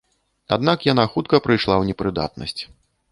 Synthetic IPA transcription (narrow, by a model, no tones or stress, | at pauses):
a̰d̪nakjanaxut̪̚kɐpɾɨjʂlˠawnʲɛpɾɨd̪a̰t̪nɐ̰sʲt͡sʲ